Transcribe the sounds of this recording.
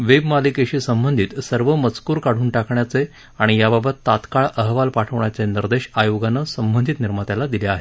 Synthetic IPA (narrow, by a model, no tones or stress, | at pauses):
ʋebmalikeɕiːsəmbənd̪ʱiːt̪səɾʋəmət͡skuːɾkaɽ̤uːnʈakʰɳjat͡se | aɽ̃ijababət̪ːat̪kaɭəɦʋalpaʈʰəʋɳjat͡seniɾd̪eɕajoɡanːəsəmbənd̪ʱit̪niɾmat̪jalad̪ileaɦe